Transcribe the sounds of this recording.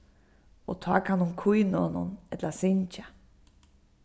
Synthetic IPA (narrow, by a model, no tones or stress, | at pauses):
ɔt̪ʰaːkʰanʊŋkʰujnonʊ̰nɛt̪lasɪɲt͡ʃa